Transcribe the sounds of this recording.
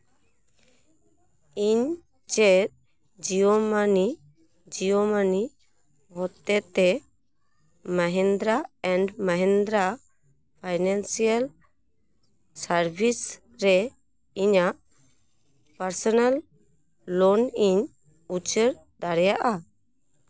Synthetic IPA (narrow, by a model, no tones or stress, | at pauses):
iɲ | t͡ʃɛt̪̚ | d͡ʒijomani | d͡ʒijomani | ɦɔt̪ɛt̪ɛ | məɦɛnd̪ɾaɛɳɖməɦɛ̃nd̪ɾa | pʰajnansijal | saɾbʱis | ɾɛ | iɲaʔ | pəɾsɔnalː | ɔniɲ | ut͡ʃəɾ | d̪aɾjaʔa